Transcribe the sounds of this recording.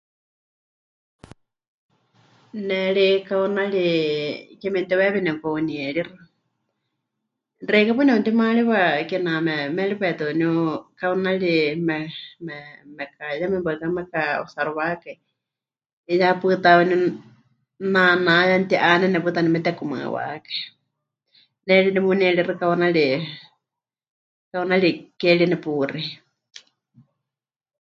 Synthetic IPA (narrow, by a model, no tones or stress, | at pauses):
nɛɺikaunaɺi | kɛmɛnt̪ɛwɛβɛnɛkauniɛɺirɨ | rɛikapununt̪imaɺiβakɛnamɛmɛɺipɛt̪unukaunaɺimɛmɛmɛkajamɛmbakamɛkao̰saɾɔwaka | japɨt̪awnu | nanajant̪iʔanɛnɛpɨt̪animɛt̪ɛkuma̰wa̰kḁi | nɛɺinɛmunɛɺirɨkawanaɺi | kawnaɺikɛɺinɛpuri